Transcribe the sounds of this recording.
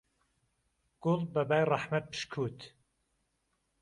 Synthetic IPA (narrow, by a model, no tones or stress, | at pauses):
ɡ̥ʊlbæbaːjrˤɑħmat̪̚pʰɨ̥ʃkʰuːt̪